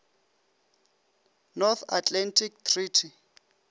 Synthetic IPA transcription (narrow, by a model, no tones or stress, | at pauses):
nɔθʰatʼlantʰʼik̚t̪ʰriːtʰi